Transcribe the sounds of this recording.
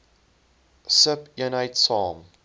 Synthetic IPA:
səpjənaɪtsɔ̃ːm

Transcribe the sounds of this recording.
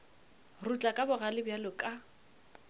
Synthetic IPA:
rut͡ɬʼakʼabʊɣalɪbjalʊkʼa

